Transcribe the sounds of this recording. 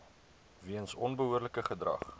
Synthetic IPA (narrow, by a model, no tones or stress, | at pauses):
viənsɔnbəɦuərləkəχədrɐ̰χ